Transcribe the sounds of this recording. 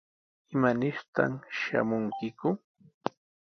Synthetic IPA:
ɪmanɪɾt̪a̰mʃa̰mʊŋkɪkʊ

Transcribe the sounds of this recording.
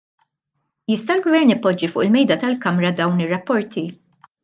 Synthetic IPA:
jɪst̪ɐlɡvɛɾnɪpːɔd͡ʒːifʊːʔɪlmɛjd̪ɐt̪ɐlkɐmɾɐd̪ɐwnɪrːɐpːɔɾt̪ʰi

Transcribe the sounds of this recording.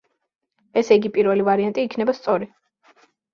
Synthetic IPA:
ɛsɛiɡipʼiɾvɛlivaɾiant̪ʼiːkʰnɛbast̪sʼɔɾi

